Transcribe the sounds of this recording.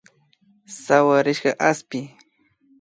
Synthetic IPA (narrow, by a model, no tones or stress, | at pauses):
sawaɾɪʃɢɑʔaspɪ